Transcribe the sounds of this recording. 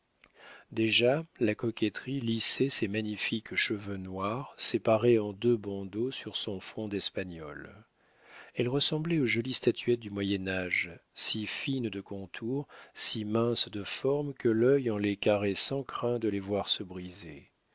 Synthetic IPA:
d̪eʒalakɔkʲɛt̪χilisɛsɛmaɲifikʃəvønwaʁsepaʁeɑ̃d̪øbɑ̃d̪osyʁsɔ̃fχɔ̃d̪ɛspaɲɔ̰l | ɛlʁəsɑ̃blɛoʒɔlist̪at̪ʰyɛt̪̚d̪ymwajɛnaʒsifind̪əkɔ̃t̪ʰuʁsimɛ̃sd̪əfɔʁmkəlœjɑ̃lɛkaʁɛsɑ̃kχɛ̃d̪əlɛvwaʁsəbʁize

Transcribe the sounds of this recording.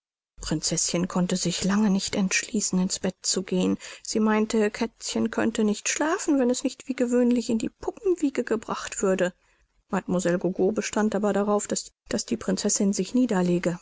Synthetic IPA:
pʁ̥ɪnt͡sɛsɪnkʰɔntəzɪçlaŋənɪçtɛntʃliːsn̩ɪnsb̥ɛt̚t͡suɡeːənz̥iːmaɪntəkʰɛt͡sçənkʰœ̰ntənɪçtʃlaːfn̩vɛnɛsnɪçtv̥iːɡəvøːnlɪçɪndḭːpʰʊpm̩viːɡəɡəbʁaχtv̥ʏɐdə | matmuzɛlɡoɡoːbəʃtantʔaːbɐɾaʁaʊfd̥asd̥asd̥iːpʁ̥ɪnt͡sɛsɪnzɪçniːdɐleːɡə

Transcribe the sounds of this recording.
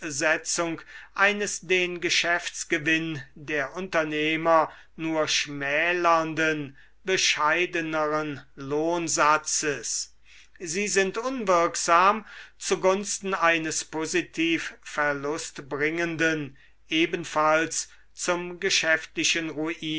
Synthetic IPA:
zɛt͡sʊŋkʔaɪnəsd̥eːnɡəʃɛft͡sɡ̥əvɪndeːɐʔʊntɐneːmɐ | nuːɐʃmɛːlɐndən | bəʃaɪdənəʁənloːnzat͡səs | ziːzɪntʔʊnvɪɐkz̥aːmt͡suɡʊnstn̩aɪnəspozitʰiːffɛɐlʊstbʁɪŋəndən | ʔeːbən̩fals | t͡sʊmɡəʃɛftlɪʃənʁuʔiː

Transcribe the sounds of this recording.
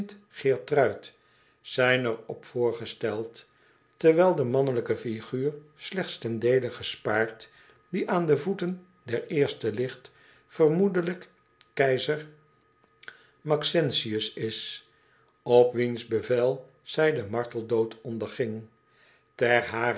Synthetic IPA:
t | χɪːɹtrœɥt | sɛjnəɹɔpfʊːɹχəstɛlˠt | tɛɹʋɛlˠdəmɑnələkəfiχyːɹslɛχt̪stɛndejləχəspaːɹt | diʔaːndəvutən | dɛɹɪːɹstəlɪχt | fərmudələk | kɛjzəɹ | mɑksɛnsiəsɪs | ɔpʋinzbəvɛlˠ | z̥ɛjdəmɑɹtəlˠdowtʰɔndəɹχɪŋ | tɛrɦaː

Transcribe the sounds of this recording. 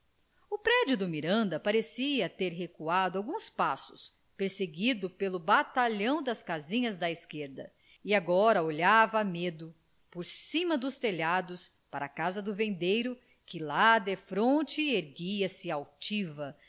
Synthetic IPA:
ʊpɾɛd͡ʒʊd̪ʊmiɾɐ̃nd̪ɐpaɾesiɐt̪eɾɦekuad̪ʊawɡũspasʊ̥s | peɾseɡid̪ʊpelʊbat̪aʎɐ̃w̃d̪ɐskazĩɲɐzd̪ɐiskeɾd̪ɐ | iaɡɔɾɐoʎavɐmed̪ʊ | poɾsĩmɐd̪ʊst̪eʎad̪ʊs | paɾɐkazɐd̪ʊvẽnd̪ejɾʊ | kɪlad̪efɾõt͡ʃɪeɾɡiɐsɪawt͡ʃivɐ

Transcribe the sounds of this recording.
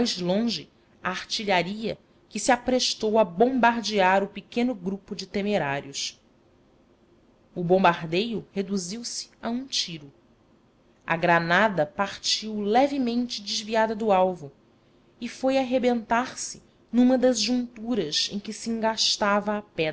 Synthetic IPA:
ajzlõʒɪ | aaɾt͡ʃiʎaɾiɐ | kɪsiapɾeʃt̪owɐbõmbaɾd͡ʒiaɾʊpɪkẽnʊɡɾupʊd͡ʒɪt̪emeɾaɾjʊs | ʊbõmbaɾd̪ejʊhed̪uziwsɪ̥aũt͡ʃiɾʊ | ɐ̰ɡɾanad̪ɐpaɾt͡ʃiwlɛvɪmẽnt͡ʃɪd͡ʒɪzviad̪ɐd̪ʊawvʊ | ɪfojaɦebẽnt̪aɾsɪ | nũmɐd̪ɐzʒũnt̪uɾɐzḛ̃j̃kɪsiĩŋɡaʃt̪avɐːpɛ

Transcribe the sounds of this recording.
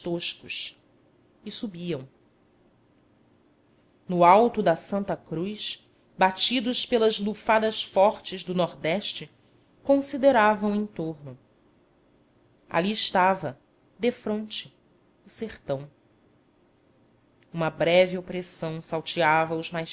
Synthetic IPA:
ʃt̪oʃkʊʃ | ɪsubiɐ̃w̃ | nʊawt̪ʊd̪ɐsɐ̃nt̪ɐkɾujʃ | bat͡ʃid̪ʊʃpelɐzlufad̪ɐʃfɔɾt͡ʃɪzd̪ʊnɔɾd̪ɛʃt͡ʃɪ | kõsid̪eɾavɐ̃w̃ẽt̪oɾnʊ | a̰liɪʃt̪avɐ | d̪efɾõnt͡ʃɪ | ʊseχt̪ɐ̃w̃ | ũmɐbɾɛvɪopɾesɐ̃w̃sawt͡ʃiavɐʊzmajʃ

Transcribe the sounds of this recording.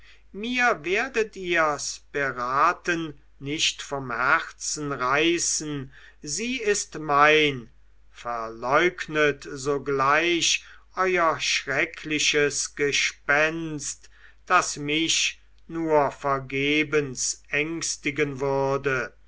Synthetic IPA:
miːɐveːɐdətiːɐspəʁaːtənː | ɪʃtfɔmhæʁt͡sn̩ʁaɪsn̩ | ziːɪstmaɪn | fɛɐlɔʏknətzoːɡlaɪʃʔɔʏɐʃʁɛkʰlɪʃəsɡ̥əʃpɛnst | d̥asmɪʃ | nuːɐfɛɐɡeːbənsʔɛŋkstɪɡənvʏʁɐdə

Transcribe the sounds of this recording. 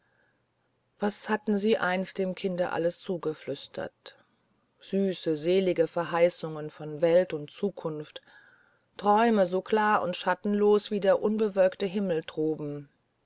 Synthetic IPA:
v̥ashatn̩ziːʔaɪnstd̥eːmkʰɪndəʔa̰ləst͡suːɡəflʏstʰɐ̰t | z̥yːsəzeːlɪɡəfɛɐɦaɪsʊŋənfɔnvɛltʊntt͡suːkʰʊnft | tʁ̥ɔʏməzoːkʰl̥aːɐʊ̰ntʃatn̩loːsv̥iːdeːɐʔʊnbəvœlktəɦɪml̩tʁ̥oːbm̩

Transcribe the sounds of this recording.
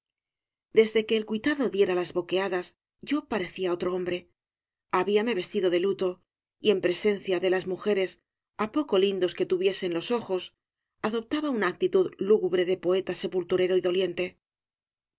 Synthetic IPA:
d̪e̞zðe̞ke̞ːlkuijt̪aðo̞ðje̞ɾalazβo̞ke̞aðaz | ɟ͡ʝo̞paɾe̞θiao̞t̪ɾo̞o̞mbɾe̞ | aβiame̞βe̞st̪iðo̞ðe̞lut̪o̞ | ie̞mpɾe̞se̞nθjaðe̞lazmuxe̞ɾe̞s | apo̞ko̞lind̪o̞ske̞t̪uβje̞se̞nlo̞so̞xo̞s | aðo̞p̚t̪aβaunaːk̚t̪it̪uðluɣuβɾe̞ðe̞po̞e̞t̪ase̞pult̪uɾe̞ɾo̞iðo̞lje̞nt̪e̞

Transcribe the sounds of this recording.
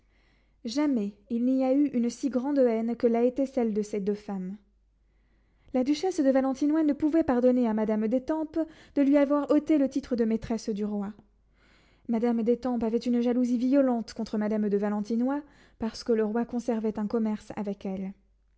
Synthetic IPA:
ʒamɛilniayʔynsiɡʁɑ̃d̪ɛnkəlaet̪ɛsɛld̪əsed̪øfam | lad̪yʃɛsd̪əvalɑ̃t̪inwanəpuvɛpaʁd̪ɔneamad̪amd̪et̪ɑ̃p | d̪̥əlɥiavwaʁɔt̪elət̪it̪χəd̪əmet̪χɛsd̪yʁwa | mad̪amd̪et̪ɑ̃pavɛt̪ynʒaluzivijɔlɑ̃t̪kɔ̃t̪χəmad̪amd̪əvalɑ̃t̪inwa | paʁsə̥kələʁwakɔ̃sɛʁvɛt̪ɛ̃kɔmɛʁsa̰vɛkɛl

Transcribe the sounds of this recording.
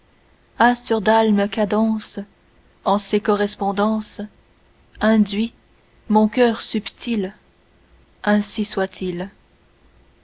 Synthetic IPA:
asyʁd̪alməkad̪ɑ̃s | ɑ̃sekɔʁɛspɔ̃d̪ɑ̃s | ɛ̃d̪ɥi | mɔ̃kʲœːʁsypt̪ʰil | ɛ̃siswat̪ʰil

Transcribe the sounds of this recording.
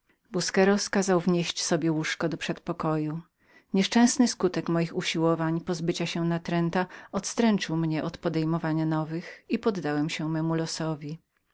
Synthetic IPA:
buskɛɾɔskazawvɲeɕt͡ɕsɔbʲjɛwuʂkɔd̪ɔpʂɛt̪pɔkɔju | ɲɛʂt͡ʂɛ̃snɘskut̪ɛkmɔjixuɕiwɔvaɲpɔzbɘt͡ɕaɕɛnat̪ɾɛnt̪aɔt̪st̪ɾɛnt͡ʂɘwmɲɛʔɔt̪pɔd̪ɛjmɔvaɲanɔvɘxipɔd̪ːawɛmɕɛmɛmulɔsɔvʲi

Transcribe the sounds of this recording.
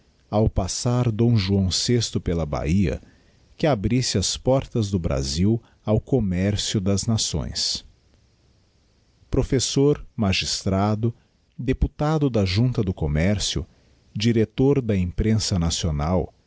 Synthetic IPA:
awpasaɾd̪õw̃ʒuɐ̃w̃sest̪ʊpelɐba̰iɐ̰ | kɪabɾisɪɐspɔɾt̪ɐzd̪ʊbɾa̰ziw | awkomɛɾsjʊd̪ɐznasõ̰j̃s | pɾofesoɾmaʒist̪ɾad̪ʊ | d̪eput̪ad̪ʊd̪ɐʒũnt̪ɐd̪ʊkomɛɾsjʊ̰ | d͡ʒiɾet̪oɾd̪ɐẽmpɾẽsɐnasionaw

